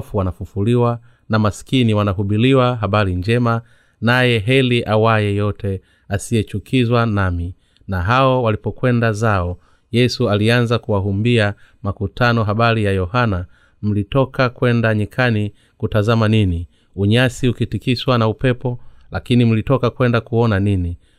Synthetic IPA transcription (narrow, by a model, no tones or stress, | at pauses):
fuwanafufuliwa | namaskiniwanaɦuɓiliwaɦaɓaɾiɲd͡ʒɛma | najɛɦɛliʔawajɛjɔtɛ | asijɛt͡ʃukʰizwanami | naɦaɔwalipɔkwɛndazaɔ | jɛsualianzakuwaɦumbiamakutʰanɔɦaɓaɾijajɔhana | m̩litɔkakwɛndaɲikʰani | kutazamanini | uɲasiukitikiswanaupɛpɔlakinim̩litɔkakwɛndakuɔnanini